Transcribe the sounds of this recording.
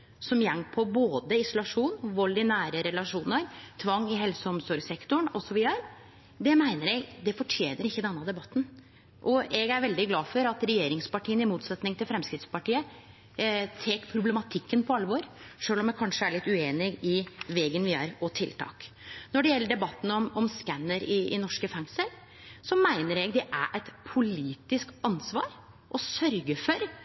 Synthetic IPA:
sɔmjɛŋpʰɔboːd̪əɪsʊlɑʂuːnʋɔlːɪnæːɾəɾɛlɑʂuːnəɾt̪ʰʋɑŋːɪɦɛlsəɔmsɔɾɡsɛkt̪ʊɳɔsɔʋɪəɾ | d̪ɛmæɪnəɾɛɡd̪ɛfɔʈʰjeːnəɾɪçːəd̪ɛnːəd̪ɛbɑt̪ːn̩ | ʔɔɛɡæɾʋɛld̪ɪɡlɑːfɔɾɑt̪ɾɛjeːɾɪŋspɑʈʰiːənɪmuːt̪sɛt̪nɪŋt̪ʰɪlfɾɛmskɾɪt̪spɑʈiːə | t̪ʰeːkpʰɾʊblɛmɑt̪ʰɪkːənpʰɔɑlːəʋoːɾʂøːlɔmjɛkʰɑnʂəæɭɪt̪ːʉeːnɪɡɪʋeːɡənʋɪæːɾɔt̪ʰɪlt̪ʰɑ̰ːk | nɔɖɛjɛlːəɖɛbɑt̪ːn̩ɔmɔmskænːəɾɪɪ̰nɔʂkəfɛŋsəɾ | sɔmæɪnəɾɛɡd̪ɛʔæɾʔæɪt̪pʰʊliːt̪ɪskɑnsʋɑ̰ːɾ | ʔɔsœɾɡəfɔɾ

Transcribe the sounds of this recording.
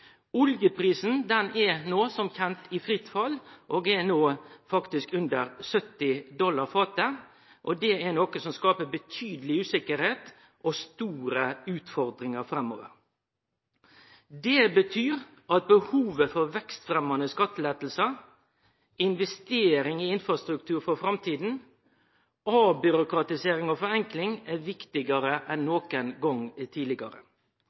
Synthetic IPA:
ʊljəpʰɾiːsn̩d̪ɛnɛɾnoːsɔmçɛnt̪ɪfɾɪt̪fɑlːʔoːɡɛɾnoːfɑkt̪ɪskʉnd̪əɾsœt̪ːɪd̪ɔlːɑʁfɑːt̪ə | ʔɔd̪ɛɛnɔkəsɔmskɑːpəbət̪ʰyːd̪əlɪʉːsɪkəɾheːt̪ | ʔɔst̪uːɾəʉːt̪fɔɾd̪ɾɪŋəɾfɾɛmo̰ːʋə̰ɾ | d̪ɛbət̪ʰyːɾ | ɑt̪̚bəhuːʋəfɔɾʋɛkst̪fɾɛmɑnəskɑt̪ːəlɛːt̪l̩sə | ɪnʋɛst̪eːɾɪŋɪɪnfɾɑst̪ɾʉkt̪ʰʉːɾfɔfɾɑmt̪ʰiːd̪n̩ | obʏɾʊkɾɑt̪ɪseːɾɪŋɔfɔɾɛŋklɪŋæʋɪkt̪ɪɡɑɾəʔɛnːoːkənɡɔŋt̪ʰiːlɪɡɑɾə̰

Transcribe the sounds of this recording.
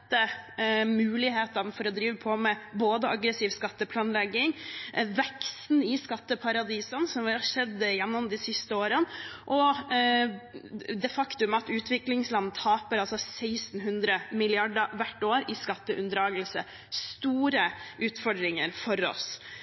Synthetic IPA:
t̪ːəmʉːlɪheːt̪ɑnfɔɾɔd̪ɾiːʋəpʰɔmɛboːd̪əɑɡɾəsiʋskɑt̪ːəpʰlɑːnlɛɡːɪŋʋɛkst̪n̩ɪskɑt̪ːəpʰɑɾɑd̪iːsənsɔmʋʂɛd̪ːəjɛnːɔmd̪ɪsɪst̪əoːɾənʔɔ | d̪ɛfɑkt̪ʉmɑt̪ʉːt̪ʰʋɪklɪŋslɑnːt̪ʰɑːpəɾɑlsɔsæɪsn̩ɦʉnd̪ɾəmɪlɪɑɖəɾʋæʈːoːɾɪskɑt̪ːəʔʉnd̪ɾɑːɡəlsə | st̪uːɾəʔʉːt̪fɔɖɾɪŋəɾfɔɾɔ̰s

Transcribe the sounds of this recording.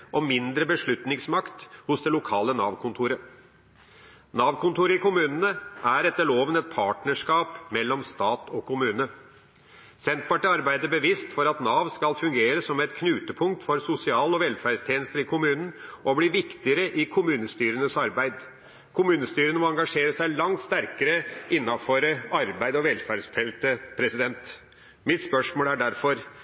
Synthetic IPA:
ʔɔmːɪnd̪ɾəbəʂɭʉt̪nɪŋsmɑkt̪hʊsd̪ɛlʊkʰɑːlənɑ̰ːʋkʰʊnt̪ʰuːɾə | nɑːʋkʰʊnt̪uːɾəɪkʊmʉːnənəʔæɾɛt̪ːəɭoːʋənɛt̪̚pʰɑːʈnəʂkɑːpmɛlːɔmst̪ɑːt̪ɔkʰʊmʉːnə | sɛnt̪̚pɑʈəɑɾbæɪd̪əbəʋɪst̪fɔɾɑt̪nɑːʋskɑlfʉŋɡeːɾəsɔmːɛt̪kʰnʉːt̪əpʰʊŋk̚t̪fɔɾsʊsɪɑːlɔʋɛlfæɖst̪ʰjeːnəst̪əɾɪkʰʊmʉːnən̩ʔɔbliːʋɪkt̪ɪəɾəʔɪkʰʊmʉːnəst̪yːɾənəsɑɾbæɪd̪ | kʰʊmʉːnəst̪yːɾənəmɔɑŋɡɑʂeːɾəsæɪlɑŋt̪st̪æɾkəɾəɪnːɑfɔɾəɑɾbæɪd̪ɔʋɛlfæɖst̪ʰɛlt̪əpʰɾɛsɪd̪ɛnt̪ | mɪt̪spœʂmoːlæɖæɾfɔɾ

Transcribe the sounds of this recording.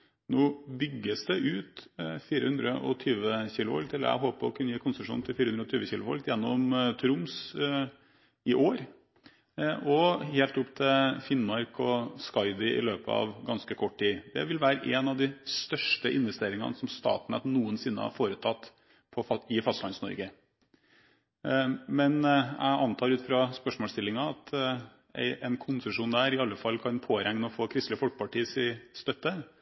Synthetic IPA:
noːbʏɡːəsd̪ɛʔʉːt̪fiːɾəhʉnd̪ɾəʔɔ̰t̪ʰyːʋəçiːlʊʋɔ̰lk̚t̪ʰɪlæ̰ɪɦoːpəɔkʰʉnːəjiːkʰʊnsəʂṵːnt̪ʰɪlfiːɾhʉnɾəɔt̪ʰyːʋəçiːlʊʋɔ̰lkt̪jɛnːɔmt̪ʰɾʊms | ɪʔoːɾ | ʔɔheːlt̪ʊpːt̪ʰɪfɪnmɑɾkʰɔskɑɪd̪ɪʔɪ̰løːpəɑ̰ʋɡɑnskəkʰɔʈ̚ːʈiːd̪ɛ̰ʋɪlʋæːɾəʔɛːnɑʋd̪ɪst̪œʂʈəʔɪnʋɛst̪eːɾɪŋɑ̰nsɔmst̪ɑ̰ːt̪nɛ̰t̪nuːənsɪnːə̰hɑ̰ɾfoːɾət̪ʰɑt̪ː | pʰɔɪfɑst̪lɑnsnɔ̰ɾɡə | mɛnʔæ̰ʔɑnt̪ʰɑːɾʉːt̪fɾɑspœʂmoːlst̪ɪlːɪŋɑɑt̪ | ʔɛnkʰʊnsəʂuːnd̪æːɾɪɑlːəfɑlːkʰɑnpʰoːɾɛŋnəɔfoːkʰɾɪst̪ləfɔlkə̥pʰɑʈiːsɪst̪œt̪ːə

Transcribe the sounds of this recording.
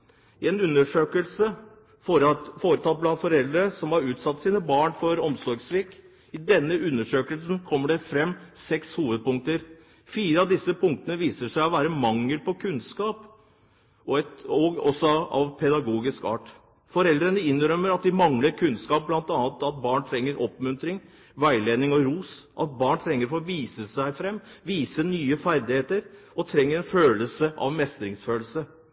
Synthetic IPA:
ɪɛnʉnːəʂøːkəlsə | foːɾət̪ʰɑt̪̚ːblɑnt̪fɔɾɛld̪ɾəsɔmhɑɾʉːt̪sɑt̪ːsiːnəbɑːɳfɔɾɔmsɔɾɡsʋɪːk | ɪd̪ɛnːəʔʉnːəʂøːkəlsnkʰɔmːəɖɛfɾɛmːsɛkshuːʋəd̪̚pʊŋk̚t̪əɾ | fiːɾəɑʋd̪ɪsəpʰʊŋkt̪ənəʋiːsəʂæɪɔʋæːɾəmɑŋːəlpɔkʰʉnskɑːp | ɔɛt̪ɔɔsːɔɑ̰ʋpʰɛd̪ɑɡuːɡɪskɑ̰ːʈ | fɔɾɛld̪ɾənəɪnːɾœmːəɾɑt̪̚d̪ɪmɑŋləɾkʰʉnskɑːp̚blɑnt̪ɑnət̪ɑt̪̚bɑːɳt̪ʰɾɛŋːəɾʔɔpmʉnt̪ɾɪŋ | ʋæɪleːnɪŋɔɾuːsʔɑ̰t̪̚bɑːɳt̪ʰɾɛŋːəɾfoʋiːsəsæɪfɾɛmːʋiːsənyːəfæɾd̪ɪheːt̪əɾ | ɔt̪ʰɾɛŋːəɾɛnføːləsəʔɑ̰ʋmɛst̪ɾɪŋsføːlsə

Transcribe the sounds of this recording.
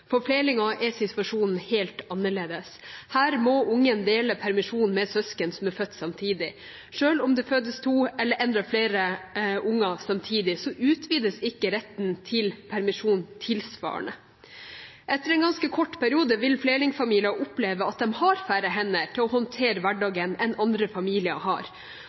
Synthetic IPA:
fɔɾfleːlɪŋɑʔɛsɪt̪ʋɑʂuːnn̩heːlt̪ɑnːəɭeːd̪əshæːɾmɔʊŋːənd̪eːləpʰæɾmɪʂuːnmɛsœskənsɔmæɾfœt̪ːsɑmt̪ʰiːd̪ɪ | ʂøːlɔmd̪ɛføːd̪əst̪ʰuːɛlːəɾʔɛnd̪ɾɑfleːɾəʔʊŋːɑsɑmt̪ʰiːd̪ɪsɔʔʉːt̪ʰʋiːd̪əsɪkːəɾɛt̪ːnt̪ʰɪlpʰæɾmɪʂuːnt̪ʰɪlsʋɑ̰ːə̰ɳə̰ | ʔɛt̪ːəɾɛnɡɑnskəkʰɔʈːpʰæɾɪuːd̪əʋɪlflelɪŋfɑmiːlɪɑʔʊpleːʋəɑt̪̚d̪ɛmhɑɾfæːɾəɦɛnːəʈʰɪlɔhɔnt̪ʰeːɾəʋæɖɑːɡənɛnɑnd̪ɾəfɑmiːlɪə̰hɑ̰ɾ

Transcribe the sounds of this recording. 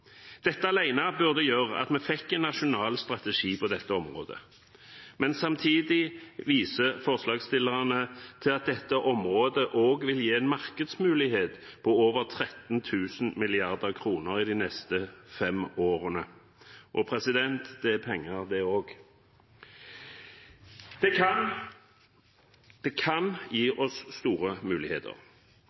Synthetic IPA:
d̪̥ɛt̪ːəɑlæɪnɑbʉʁd̪əjøːʁəʔɑ̰t̪mɛfɛkːɛnːɑʃʊnɑːlst̪ʁɑt̪əʂiːpʰɔd̪ɛt̪ːəɔmʁo̰ːd̪ə̰ | mɛnsɑmt̪ʰiːd̪ɪʋiːsəfɔʁslɑːɡst̪ɪlːəʁɑnət̪ʰɪlɑt̪̚d̪ɛt̪ːəʔɔmʁoːd̪əʔoːɡʋɪljeːɛnmɑʁkəd̪smʉːlɪheːt̪pʰɔoːʋəʁt̪ʰʁɛt̪n̩t̪ʰʉːsn̩mɪlɪɑʁd̪əʁkʰʁuːnəʁɪd̪inɛst̪əfɛmoːʁənə | ʔɔpʰʁɛsɪd̪ɛnt̪d̪̥ɛpʰɛŋːəʁd̪ɛoːɡ | d̪̥ɛkʰɑnjiːʔɔsst̪uːʁəmʉːlɪheːt̪ʰə̰ʁ

